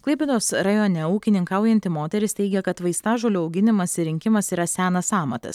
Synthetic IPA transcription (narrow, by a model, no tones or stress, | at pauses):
klˠɐɪpʲɛd̪oːsɾɐjoːnʲɛuːkʲɪnʲɪŋkɐʊjɛnʲt̪ʲɪmoːt̪ʲɛɾʲɪst̪ʲɛɪɡʲɛkɐt̪ʋɐɪst̪ɑːʒoːlʲuɒʊɡʲɪnʲɪmɐsɪɾʲɪŋʲkʲɪmɐsiːɾɐsʲæːnɐsɑːmɐt̪ɐ̰s